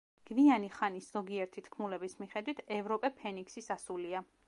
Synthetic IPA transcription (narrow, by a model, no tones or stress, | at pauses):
ɡ̥vianiχanisz̥ɔɡiɛɾt̪ʰit̪ʰkʰmulɛbismiχɛd̪wit̪ʰɛvɾɔpʼɛpʰɛniksisasulia